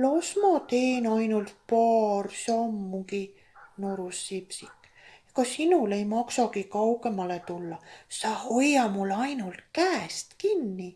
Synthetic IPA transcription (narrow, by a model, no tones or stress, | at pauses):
losmɑt̪e̞ːnɑjnult̪̚pɑːrsɑmːuɡi | no̞ɾusːipsikːˑ | jɑkɑsinulejmɑksɑkikɑwɡ̥e̞mɑlet̪ulːɑsɑːhojːɑmulːɑjnult̪kæːst̪kinːi